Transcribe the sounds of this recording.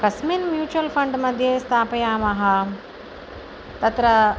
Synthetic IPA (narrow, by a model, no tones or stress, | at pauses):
kɐsminmjuːt͡ʃuʋɐlpʰɐɳɖmɐd̪ʱjeːst̪ʰaːpɐjaːmɐɦɐ | t̪ɐt̪ɾɐ